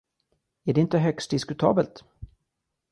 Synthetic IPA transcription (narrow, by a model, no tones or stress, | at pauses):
æɖɛɪnt̪əɦœkst̪̚d̪ɪskɵt̪ʰɑ̰ːbəlt̪